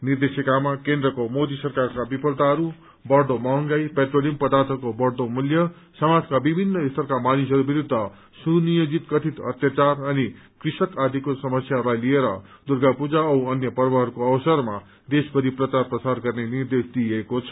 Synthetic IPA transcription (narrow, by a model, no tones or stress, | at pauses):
nird̪esikamakend̪rʌkomod̪isʌrkarkabipʰʌlt̪aɦʌɾu | bʌɽd̪omʌɦŋɡajpeʈrolimpʌd̪art̪ʰʌkobʌɽd̪omuljʌ | sʌmad͡zkabibʱinːʌist̪ʰʌrkamanisʌɾubiɾud̪ʱːʌ | sunijod͡zit̪kʌt̪ʰit̪ʌ̰t̪jat͡sarʌni | krisʌkad̪ʱikosʌmʌsjalajlieɾʌ̰ | d̪urɡʱapud͡zaʌwʌnjʌpʌrbʌɦʌɾukoʌbsʌrma | d̪esbʌɾiprʌt͡sarprʌsarɡʌrnenird̪esd̪iekot͡sʰʌ̥